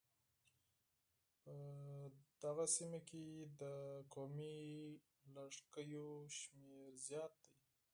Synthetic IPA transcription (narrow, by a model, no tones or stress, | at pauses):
pə | d̪̥aɣasimaked̪əkomi | laʂkəjoʃmeɾzjɑt̪̚d̪aj